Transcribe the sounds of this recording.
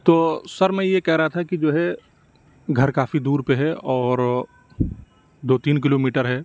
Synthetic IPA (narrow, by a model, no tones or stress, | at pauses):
t̪oːsɐɾmɛ̃jekɛɦɾɐɦat̪ʰakid͡ʒoːɦɛ | ɡʱɐɾkaːfid̪uːɾpeɦɛʔɔːɾ | d̪oːt̪iːnk̬ɪloːmiːʈəɾɦɛː